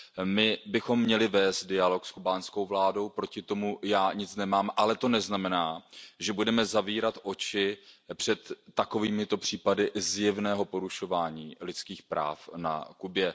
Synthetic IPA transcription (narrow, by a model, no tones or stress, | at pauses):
mɪbɪxo̞mːɲɛlɪvɛːst̪̚dɪalo̞kskubaːnsko̞wvlaːdo̞wpɾo̞cɪt̪o̞mujaːɲɪt͡snɛmaːmʔalɛt̪o̞nɛznamɛnaːʒɛbudɛmɛzaviːɾat̪ʔo̞t͡ʃɪpr̝̥ɛt̪ːako̞viːmɪt̪o̞pr̝̥iːpadɪzjɛvnɛːɦo̞po̞ɾuʃo̞vaːɲiːlɪt͡skiːxpɾa̰ːfna̰kubjɛ